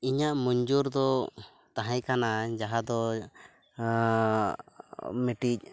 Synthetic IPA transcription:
iɲaʔmuɲd͡ʒuɾd̪ɔ | t̪aɦãjkʰanad͡ʒaɦad̪ɔ | mɛʈic̚

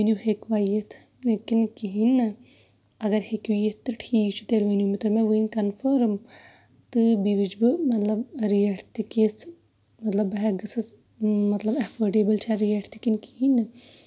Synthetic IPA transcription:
ʋɐniuɦekʋaːjet̪ʰ | lekinkiɦin | ɐɡɐɾhekujet̪ːɨʈʰiːkt͡ʃʰu̥t̪elʋɐniumit̪ɔɾmɛ̃ʋɨinkɐnfʰəɾm | t̪ɨbiʋid͡ʒbɨmɐt̪lɐbɾiɐʈʰt̪ikes | mɐt̪lɐbɦɛɡɨsɐs | mɐt̪lɐbɐfʰoːɾɖeːbɐlt͡ʃʰaɾijɐʈʰt̪ikinkiɦinɨ

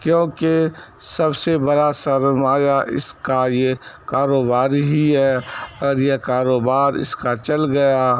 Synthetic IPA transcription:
kjõːkesɐbsebɐɽasɐɾmaːjaʔɪ̰skajekaːɾoːbaːɾɦiɦɛːɔːɾjekaːɾoːbaːɾɪ̰skat͡ʃɐlɡɐjaː

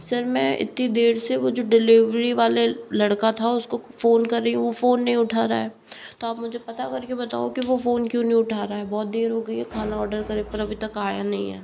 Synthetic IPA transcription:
sɐɾmɛ̃ʔɪ̰t̪nid̪eːɾseʋod͡ʒoːɖɪliʋɾiʋaːlelɐɽkat̪ʰaʊskofoːnkɐɾːəɦiɦũʋofoːnːɐɦĩʊʈʰaːɾaɦɛː | t̪oaːpmʊd͡ʒʱepɐt̪akɐɾkebɐt̪a̰ːokiʋofoːnkjõːnɐɦĩʊʈʰaːɾaɦɛːbɔːt̪̚d̪eːɾɦoːɡɐiɦɛkʰaːnaɔːɾɖəɾkɐɾepɐɾɐbʱit̪ɐkaːjanɐɦḭ̃ɦɛ̰ː

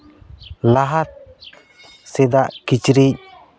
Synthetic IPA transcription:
laɦat̪̚ | sɛd̪aʔkit͡ʃɾic̚

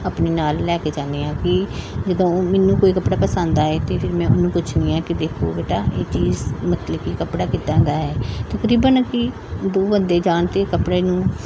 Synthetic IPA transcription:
aːpneːnaːlːɛːkeːd͡ʒãːnd̪eːãːkɪd͡ʒəd̪õːoːmɛːnːũːkoːiːkəpɽaːpəsə̃nd̪aːɛːt̪eːpʰɪɾmɛ̃ːʊnũːpʊt͡ʃʰnĩːɛːkɪd̪eːkʰo̰ːbeːʈaːʔeːt͡ʃiːzmət̪ləbkikəpɽaːkɪt̪ãːɡaːɦɛːt̪əkəɾiːbənkɪ | d̪oːʋənd̪eːd͡ʒaːnt̪eːkəpɽeːnũː

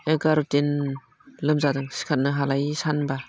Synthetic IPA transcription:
eɡaɾutin | lɯmzadɯŋsi̥kʰat̚nɯɦalajsanba

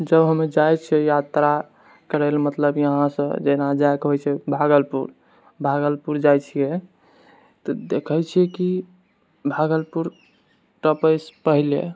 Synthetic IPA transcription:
d͡ʒəbɦəmed͡ʒajt͡ʃʰijɛjat̪ɾa | kəɾəlmət̪ləbjəɦãsə̃d͡ʒenad͡ʒaekɦojt͡ʃʰɛbʱaɡəlpuɾ | bʱaɡəlpuɾd͡ʒajt͡ʃʰije | t̪ɔd̪ekʰəjt͡ʃʰijɛki | bʱaɡəlpuɾ | ʈəpəjspəɦile

